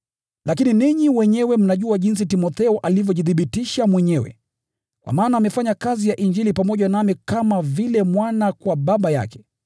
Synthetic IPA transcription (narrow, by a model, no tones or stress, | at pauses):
lakininiɲiwɛɲɛwɛm̩naʄuaʄins̬itimɔθɛɔʔalivjɔʄiθiɓitiʃamwɛɲɛwɛ̰ | kwa̰maːnaːmɛfaɲakazijaʔind͡ʒilipamɔʄanamikamavilɛmwanakwaɓaɓaja̰kɛ̥